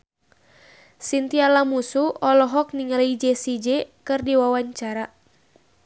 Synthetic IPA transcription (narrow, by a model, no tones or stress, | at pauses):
sint̪ialamusuɔlɔɦɔk̚niŋləid͡ʒɛsid͡ʒɛkɨrdiwawaɲt͡ʃaɾa